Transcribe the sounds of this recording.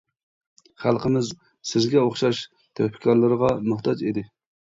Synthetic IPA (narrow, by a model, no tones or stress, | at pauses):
χælˠqʰəmɪz | sɪzɡʲɛoχʃɑʃ | t̪ʰɛpʰɪ̥kʲʰɑɾlˠɨɾəʁɑmʊht̪ɑd͡ʒid̪ɪ